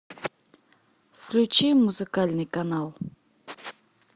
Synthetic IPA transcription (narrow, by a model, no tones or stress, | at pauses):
fklʲut͡ʃimuzɨkalʲnɨjkanalˠ